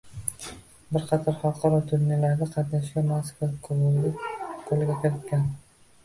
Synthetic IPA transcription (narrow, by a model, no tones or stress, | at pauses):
bɪɾqʰɑt̪ʰɒɾhɒqʰɑɾɒt̪ʰʊɾnelaɾd̪aqʰɑd̪aʃɡʲamaskvakʰoɾʊɡɪqʰolˠɡʲakʰʲeɾɪt̪̚kʲʰan